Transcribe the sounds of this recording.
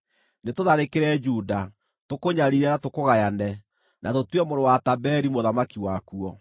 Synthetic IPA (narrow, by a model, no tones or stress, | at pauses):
netoðaɾekeɾɛd͡ʒuda | tokoɲaɾiɾɛnatokoɣajanɛ | nʔatotwɛmoɾowatabɛɾimoðamakiwakuɔ